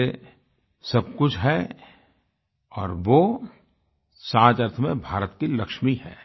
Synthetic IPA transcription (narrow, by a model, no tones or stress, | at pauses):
e | sɐb̚kʊt͡ʃʰɦɛ | ɔːɾʋo | saːt͡ʃəɾt̪ʰmẽbʱaːɾət̪kilɐkʃmiɦɛ̰ː